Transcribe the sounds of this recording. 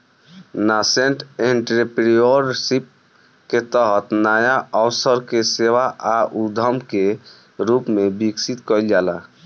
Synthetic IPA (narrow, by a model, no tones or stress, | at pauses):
naseɳʈeɳʈɾipɾioɾsip̚ | ket̪əɦət̪najaɔwsəɾkeseʋaʔaʔud̪ʱəmke | ɾupmebiksit̪kəjld͡ʒala